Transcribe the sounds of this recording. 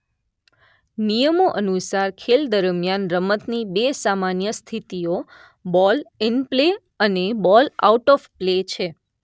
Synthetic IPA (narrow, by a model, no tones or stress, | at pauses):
nijəmoʔənusaɾkʰeld̪əɾmjanɾəmət̪nibesamanjəst̪ʰit̪io | bɔlɪnple | ənebɔla̰uʈɔfplet͡ʃʰe